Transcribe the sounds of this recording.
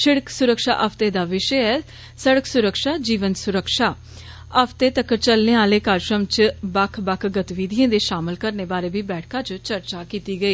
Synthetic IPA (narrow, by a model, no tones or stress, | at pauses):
ʃɪɽəksʊɾəkʃa̰ːʔəpʰt̪eːd̪aːʋɪʃəɛː | səɽəksʊɾəkʃaːd͡ʒiːʋənsʊɾəkʃaː | əpʰt̪eːt̪əkt͡ʃəlneːaːleːkaːɾʃɾəmt͡ʃbəkʰbəkʰɡət̪ʋid̪iẽːd̪eːʃaːməlkəɾneːbaːɾeːbiːbɛːʈʰkãːt͡ʃt͡ʃəɾt͡ʃaːkiːt̪iːɡəiː